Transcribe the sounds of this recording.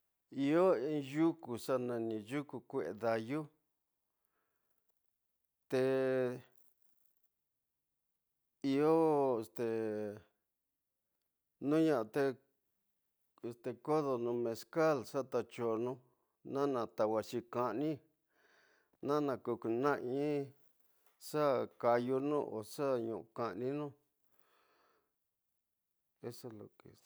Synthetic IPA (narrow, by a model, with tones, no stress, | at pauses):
i˧o˦ĩ˧ju˦ku˨ʂa˦nã˧nĩ˧ju˦ku˧kʷe˦˧ʔḛ˧ða˧ju˦ | t̪e˧ | i˧o˦e˧st̪e˨ | nũ˦ɲã˧ʔa˧t̪e˦ | e˧st̪e˨ko˦ðo˨nũ˧mẽ˧ska˦˨lsa˦t̪a˧t͡ʃo˧˨nũ˦ | nã˦nã˧t̪a˧wa˧ʃi˧ka˧ʔnĩ˦ | nã˦nã˧ku˧ku˧nã˦ʔĩ˦ | sa˦ka˧ju˧nũ˦ʔo̰˨sa˦ɲũ˨ʔu˧kã˧ʔnĩ˦nũ˦ | e˦so˧lo̰˨kḛ˨